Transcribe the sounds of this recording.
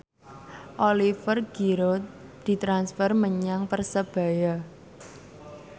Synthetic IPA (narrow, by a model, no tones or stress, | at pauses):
ʔolifərɡ̥iɾot̪̚d̪̥i̤t̪ɾansfərməɲaŋpərsəb̥a̤ja